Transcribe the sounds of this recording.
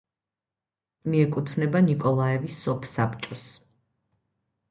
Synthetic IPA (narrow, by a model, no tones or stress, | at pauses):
miɛkʼut̪ʰvnɛbanikʼɔlˠaɛvisːɔpʰsapt͡ʃʼɔs